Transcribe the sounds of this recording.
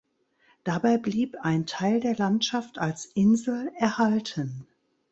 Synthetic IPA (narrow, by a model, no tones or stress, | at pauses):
d̥abaɪbliːpaɪntʰaɪldeːɐlantʃaftalsʔɪnzl̩ɛɐhaltʰən